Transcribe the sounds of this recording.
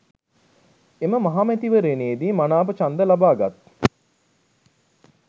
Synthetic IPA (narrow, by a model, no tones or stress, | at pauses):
eməmaɦaːmæt̪iʋəɾeːneːd̪iːmanaːp̬ət͡ʃand̪əlabaːɡat̪